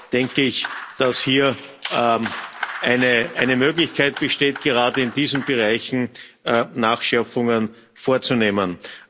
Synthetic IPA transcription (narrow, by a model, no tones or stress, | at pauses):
d̥ɛŋkəɪçd̥ashiːɐ | ʔæɪnəʔæɪnəmøːɡlɪçkʰaɪt̚b̥əʃteːtɡ̥əʁaːdəɪndiːzn̩b̥əʁaɪçn̩ː | naːxʃɛɐp͡fʊŋən | foːɐt͡suneːmən